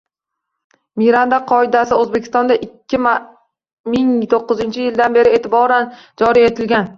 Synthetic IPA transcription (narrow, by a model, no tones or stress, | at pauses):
mijɾand̪aqʰɒɪd̪asɪɵzbekʲʰɪ̥st̪ɒnd̪aʔɪkʲʰːɪma | mɪŋt̪ʰoqːɨzɪnt͡ʃʰɪjɪld̪anbe̞ɾɪe̞t̪ʰɪbɒɾand͡ʒɒɾie̞t̪ʰɪlɡʲan